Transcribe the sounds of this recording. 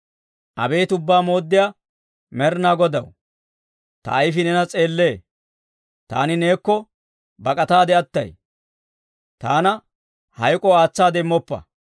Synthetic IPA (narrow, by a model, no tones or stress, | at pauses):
ʔɐbe̞ːt̪ʊbːaːmo̞ːd̪ːɪja | mɛɾnaːɡɔd̪ɐ̰w | t̪ɐ̰ːjfɪnɛnɐt͡sʼe̞ːlːe̞ː | t̪a̰ːnɪne̞ːkːɔ | bɐkʼɐt̪aːd̪ɛɐt̪ːɐ̰j | t̪aːnɐ | hɐjkʼɔaːt͡sːaːd̪ɛmːɔpːɐ̰